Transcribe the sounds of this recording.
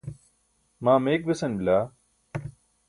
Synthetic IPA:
mãːmeːk̚besɐnbɪlaː

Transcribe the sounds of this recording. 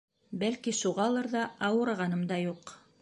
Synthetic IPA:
bælkiʃuʁɑlˠɤɾðɑʔɑwɤ̆ɾʁɑnɤmd̪ɑjuq

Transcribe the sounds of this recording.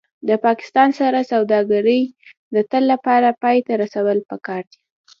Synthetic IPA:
d̪əpɑkɪ̥st̪ɑnsaɾasawd̪ɑɡaɾəj | d̪ət̪əlːapɑɾapɑjt̪aɾasawəlpəkɑɾd̪i

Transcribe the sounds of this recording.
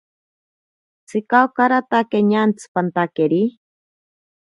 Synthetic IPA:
t͡sʰɨkawkaɾat̪akeɲant͡sʰɨ̥pant̪akeɾi

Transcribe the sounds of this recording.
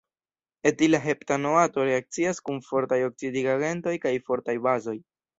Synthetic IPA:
e̞tilaɦe̞ptanoato̞ɾe̞ak̚t͡siaskunfo̞ɾtajo̞k̚t͡sidiɡaɡe̞nto̞jkajfo̞ɾtajbazo̞j

